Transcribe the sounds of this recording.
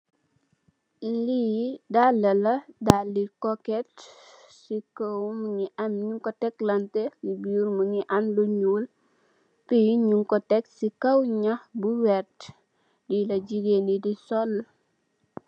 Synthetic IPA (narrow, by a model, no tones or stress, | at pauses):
lidalːɐlɐdalikɔkɛt | sikəwmuɲiʔamɲuŋkɔtɛklɐntɛlibiuɾmuɲiʔanluɲul | piɲuŋkɔtɛksikɐwɲahbuwɛt | dilɐd͡ʒiɡenidisɔl